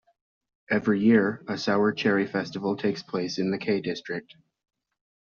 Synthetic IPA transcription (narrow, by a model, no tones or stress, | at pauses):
ɛvɹijɪɹɨsaʊə˞t͡ʃʰɛɹifɛstəvl̩ˠtʰeɪkspʰl̥eɪsɨ̃nðɨkʰeɪdɪstɹ̥ɨk̚t̚